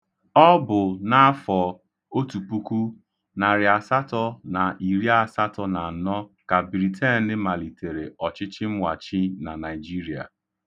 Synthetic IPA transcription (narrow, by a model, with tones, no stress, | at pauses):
ɔ˦bʊ˨na˦a˦fɔ˨ | o˦tu˨k͡pu˦ku˦ | na˨ɾɪ˨a˨sa˦tɔ˦na˨ʔi˨ɾi˦a˦sa˦tɔ˦na˨n̩˨nɔ˦ka˨bɾi˨tʰɛ˦n̩˦dɪ˦ma˨li˨te˨ɾe˨ɔ˨t͡ʃɪ˦t͡ʃɪ˦m̩˦wʷa˨t͡ʃi˦na˨na˨ɪ˨d͡ʒi˦ɾi˨a̰˨